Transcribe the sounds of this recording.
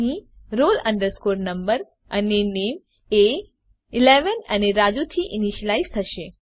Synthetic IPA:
ɦĩ | ɾolə̃ɳɖəɾskoɾnəmbəɾ | ənenem | e | ɪleʋənəneɾad͡ʒut̪ʰiʔɪniʃəlaizt̪ʰəʃe

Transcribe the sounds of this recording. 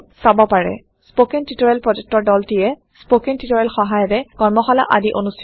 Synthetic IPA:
sabɔpaɹɛ̰ | spokɛntitɔɹɛlpɹɔd͡ʒuk̚tɔɹdɔltijɛ | spokintitɔɹɛlxɔɦajɔtɛkɔɹmɔxɔla̰ʔa̰diʔonustʰ

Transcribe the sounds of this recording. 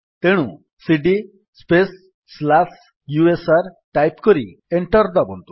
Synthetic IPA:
t̪eɽ̃ṵ̃ | siɖi | spesː | las | juesaɾʈajpkɔɾieɳʈɔɾd̪abɔnt̪u̥

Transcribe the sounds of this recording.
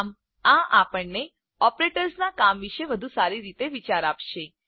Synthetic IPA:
m | ãʔapəɳne | ɔpɾeʈəɾsnakamʋiʃeʋəd̪ʱusaɾiɾit̪eʋit͡ʃaɾapʃe

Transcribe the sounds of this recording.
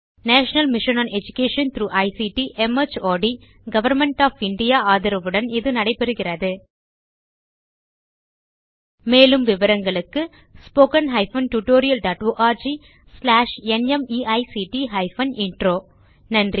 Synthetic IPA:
naːʂɐnɐlmɪʂɐnɐːnɛd͡ʒʊkeːʂɐnt̪ɾuːʔɐɪsiʈiʔɛmɐt͡ʃoːɖi | ɡɐʋɐɾmɛɳʈaːfɪɳɖɪjaːaːðɪɾɐʋɯɽɐnɪðɯnɐɽɐɪpːɛɾɯɣɪrɐðɯ | meːlɯmʋɪʋɐɾɐŋɡɐɭɯkːɯ | spoːkɐnɦɐɪfɐnʈuʈoːɾɪjɐlɖaːʈoːʔaːɾd͡ʒi | slaːʂɛnɛmiːʔɐɪsiʈiɦɐɪfɐnɪɳʈɾoː | nɐndri

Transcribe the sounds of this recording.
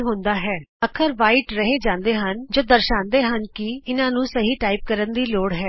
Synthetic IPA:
ɦʊ̃ːnd̪aːɦɛːəkʰəɾʋaːiʈɾəɦeːd͡ʒãːnd̪eːɦənd͡ʒoːd̪əɾʃãːnd̪eːɦənkɪɪnãːnũːsəɦiːʈaːip̚kəɾənd̪iːloːɽɦɛː

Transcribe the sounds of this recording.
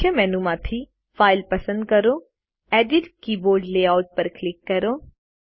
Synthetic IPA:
əmɛːnumãːt̪ʰi | faːɪlpɐsə̃nd̪̚kɐɾo | ɛːɖɪʈkiboːɾɖleːaːʊʈ̚pɐɾklɪkːɐɾoː

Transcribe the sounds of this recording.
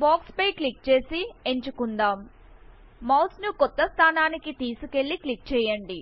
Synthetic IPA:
baːkspɐjkɭik̚t͡ʃe̞ːsieɲt͡ʃukund̪aːm | mɐwsnukɔt̪ːɐst̪ʰaːnaːnikit̪iːsuke̞ɭːikɭik̚t͡ʃɛːjɐɳɖi

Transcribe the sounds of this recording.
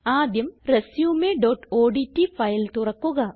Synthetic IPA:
aːd̪jɐmresjuːmeɖoːʈoːɖitːifɐjlt̪urɐkːuɣɐ

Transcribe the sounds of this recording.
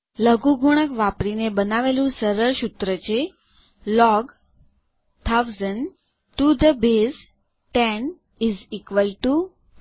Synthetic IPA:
ləɡuɡʱuɽ̃əkʋapɾinebənaʋelũsəɾəɾɕut̪ɾət͡ɕe | lɔɡ | t̪ʰawzən | ʈud̪əbes | ʈɛ̃n | izikʋəlʈu

